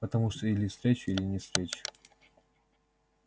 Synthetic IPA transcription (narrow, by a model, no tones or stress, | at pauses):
pət̪ɐmuʂt̪oilʲɪfst̪ɾʲet͡ɕʊilʲɪnʲɪst̪ɾʲet͡ɕʊ̥